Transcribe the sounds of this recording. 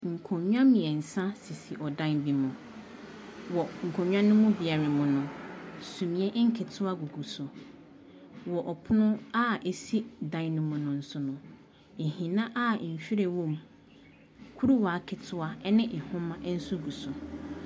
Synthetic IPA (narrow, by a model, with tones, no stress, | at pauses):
ŋ̩˨kʰõ˨ɲᶣ˦ã˦mĩ˨ɛ˨n̩˨sã˦si˨si˨ʔɔ˨dã˦nbi˨mʊ̃˨ | wɔ˨ŋ̩˨kʰõ˨ɲᶣ˦ã˦nʊ̃˦mʊ̃˦bi˨a˨ɾɪ˨mʊ̃˨nʊ̃˨sũ˨mĩ˨ɛ˦ʔŋ̩˦kʰɪ˨tʰʊ˦a˦ɡu˨ɡu˨sʊ˨ | wɔ˨ʔɔ˨pʰʊ˦nʊ̃˦a˦ʔe˨si˦dã˦nnʊ̃˦mʊ̃˨nʊ̃˨n̩˦sʊ˨nʊ̃˨ | e˨hĩ˨nã˦ʔa˦˨ɕᶣi˦ɾe˨wɔ̃˦˨m | kʰu˦ɾu˦wa˨˦kʰɪ˨tʰʊ˦a˦nɪ̃˦ʔɪ˨hʊ̃˦mã˦ʔn̩˦sʊ˦ɡu˨sʊ˨